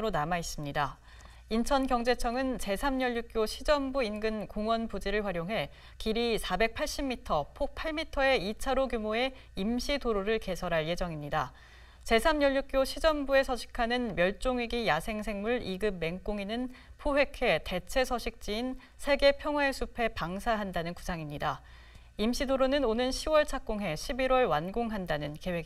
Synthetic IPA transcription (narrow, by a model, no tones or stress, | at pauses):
ɾonamais͈ɯmɲida | int͡ɕʰʌnkjʌŋd͡ʑe̞t͡ɕʰʌŋɯnt͡ɕe̞sʰamɲʌʎːuk̚k͈joɕʰid͡ʑʌmbuinɡɯnkoŋwʌnpud͡ʑiɾɯɭɸwaɾjoŋɦe̞ | kiɾisʰabe̞k̚pʰaɭɕ͈imːitʰʌpʰok̚pʰaɭmitʰʌe̞it͡ɕʰaɾoɡjumoe̞ | imɕʰidoɾoɾɯɭke̞sʰʌɾɦaɭje̞d͡ʑʌŋimɲida | t͡ɕe̞sʰamjʌʎːuk̚k͈joɕʰid͡ʑʌmbue̞sʰʌɕʰi̥kʰanɯnmjʌɭt͡ɕ͈oŋiɡijasʰe̞ŋsʰe̞ŋmuɭiɡɯmːe̞ŋk͈oŋinɯnpʰoɸwe̞kʰe̞te̞t͡ɕʰe̞sʰʌɕʰik̚t͡ɕ͈iːn | sʰe̞ɡe̞pʰjʌŋwae̞sʰupʰe̞paŋsʰaɦandanɯnku̥sʰaŋimɲida | imɕ͈ʰidoɾonɯnonɯnɕʰiwʌɭt͡ɕʰak̚k͈oŋɦe̞ɕʰibiɾwʌɭwanɡoŋɦandanɯnke̞we̞ɡi